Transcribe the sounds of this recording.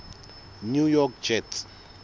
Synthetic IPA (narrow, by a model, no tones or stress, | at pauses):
njujɔk̚d͡ʒɛt